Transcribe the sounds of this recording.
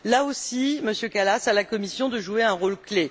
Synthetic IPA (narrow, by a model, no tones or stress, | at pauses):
laosiməsjøkalasalakɔmisjɔ̃d̪əʒueɛ̃ʁolkle